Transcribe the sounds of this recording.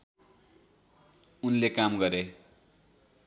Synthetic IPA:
unlekamɡʌɾe

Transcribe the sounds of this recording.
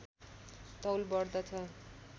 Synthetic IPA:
t̪ʌwlbʌɽd̪ʌt͡sʰʌ

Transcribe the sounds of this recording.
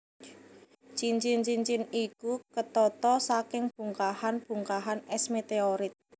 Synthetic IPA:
t͡ʃiɲt͡ʃɪnt͡ʃiɲt͡ʃɪnikukət̪ɔt̪ɔsakɪŋb̥ṳŋkahanb̥ṳŋkaɦanɛsmet̪eoɾɪt̪̚

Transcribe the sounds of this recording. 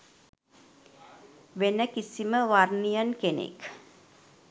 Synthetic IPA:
ʋenəkisiməʋarnijənkenḛk

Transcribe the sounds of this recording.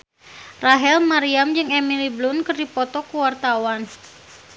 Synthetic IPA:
raɦɛlmaɾiamd͡ʒɨŋemiliblunkərdipɔt̪ɔkuwart̪awan

